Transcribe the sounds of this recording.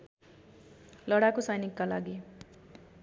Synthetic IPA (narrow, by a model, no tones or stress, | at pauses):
lʌɽakosajnikːalaɡi